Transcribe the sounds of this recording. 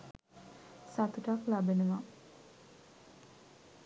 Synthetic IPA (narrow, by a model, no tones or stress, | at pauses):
sat̪uʈaklabenəʋa